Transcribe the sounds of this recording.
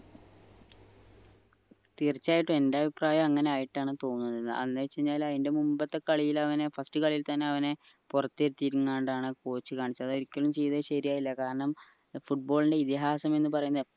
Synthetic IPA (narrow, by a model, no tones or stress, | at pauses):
t̪iːrit͡ɕːaːjiʈːume̞ndeɐbʱipraːjɐmɐŋːɐne̞aːjiʈːaːɳɨt̪o̞ːnnːɐðenːɨ̰ʔɐnːet͡ɕːeɲːaːlɐðinde̞mumbɐt̪ːe̞kɐɭijilɐʋɐne̞fɐstɨkɐɭijilt̪ɐnːe̞ɐʋɐne̞ | purɐt̪ːeɾut̪ːiɾuŋːaːɳɖaːɳɨkoːt͡ɕːɨkaːɳit͡ɕːɐðɨo̞ɾikʲːɐɭumt͡ɕe̞jðɐɕɐɾijaːjilːɐkaːɾɐɳɐm | fuʈ̚bo̞ːɭinde̞it̪iɦaːsɐme̞nːɨpɐrɐjunːɐð